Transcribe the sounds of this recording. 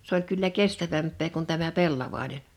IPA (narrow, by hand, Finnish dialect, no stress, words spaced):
s olʲ kylːæ kestæʋæmpˑeː kun tæmæ pelːɑʋɑˑinen